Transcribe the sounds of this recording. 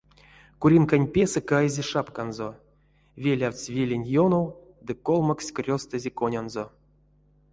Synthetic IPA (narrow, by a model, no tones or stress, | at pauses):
kuɾʲinkanʲpʲe̞sɛkajzʲeʂapkanzo | vʲelʲawʲt͡sʲvʲelʲenʲjonow | d̪ɨkolˠmaksʲkrʲost̪azʲekonʲanzo